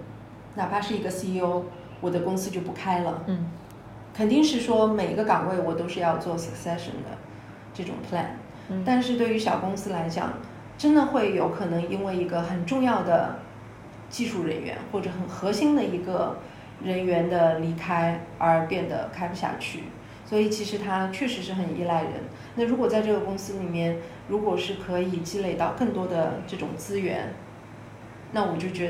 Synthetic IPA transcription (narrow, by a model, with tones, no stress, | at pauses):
na˨˩pʰa˥ʂɻ̩˥˩i˧˥ɡə˧si˥o˥ʊ | wɔ˨˩d̪ə˦kʊ˥ŋsɹ̩˥t͡ɕjo˥˩ʊpu˧˥kʰa˥ɪlə˨ | kʰə˨˩nt̪i˥˧ŋʂɻ̩˥˩ʂwɔ˥me˨˩ɪi˧˥ɡə˧kɑ˨˩ŋwe˥˩ɪwɔ˨˩t̪o˥ʊʂɻ̩˥˧jɑ˥˧ʊt͡swɔ˥˩sə˨˩ksɛ˥ʂə̰˨˩nd̪ə̰˩ | ʈ͡ʂɤ˥˩ʈ͡ʂʊ̰˨˩ŋpʰla̰˥˩n | t̪a˥˧nʂɻ̩˥˧t̪we˥˩ɪy˧˥ɕjɑ˨˩ʊkʊ˥ŋsɹ̩˥la˧˥ɪt͡ɕjɑ̰˨˩ŋ | ʈ͡ʂə˥nd̪ə˨xwe˥˩ɪjo˧˥ʊkʰɤ˨˩nɤ˧˥ŋi˥nwe˥˩ɪi˧˥ɡə˧xə˨˩nʈ͡ʂʊ˥˧ŋjɑ˥˩ʊd̪ə̰˩ | t͡ɕi˥˧ʂu˥˩ɻə̰˧˥nɥɛ̰˧˥nxwɔ˥˩ʈ͡ʂɤ˧˥xə˨˩nxɤ˧˥ɕi˥ŋd̪ə˨i˧˥ɡə˧ | ɻə˧˥nɥɛ˧˥nd̪ə˧li˧˥kʰa˥ɪə˞˧˥pjɛ˥˩nd̪ə̰˩kʰa˥ɪpu˧˩ɕja̰˥˧t͡ɕʰy̰˥˩ | swɔ˧˥i˨˩t͡ɕʰi˧˥ʂɻ̩˧˥t̪ʰa˥t͡ɕʰɥɛ˥˩ʂɻ̩˧˥ʂɻ̩˥˩xə˨˩nḭ˥la˥˩ɪɻə̰˧˥n | na˥˩ɻu˧˥kwɔ˨˩t͡sa˥˧ɪʈ͡ʂɤ˥˩ɡə˩kʊ˥ŋsɹ̩˥li˨˩mjɛ˥˩n | ɻu˧˥kwɔ˨˩ʂɻ̩˥˩kʰɤ˧˥i˨˩t͡ɕi˥le˥˩ɪt̪ɑ˥˧ʊkɤ˥˩ŋt̪wɔ˥d̪ə˨ʈ͡ʂɤ˥˩ʈ͡ʂʊ̰˨˩ŋt͡sɹ̩˥ɥɛ̰˧˥n | na˥˩wɔ˨˩t͡ɕjo˥˩ʊt͡ɕɥɛ˧˥